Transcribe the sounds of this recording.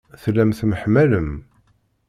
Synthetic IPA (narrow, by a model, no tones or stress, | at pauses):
θlːæmθməħmæləm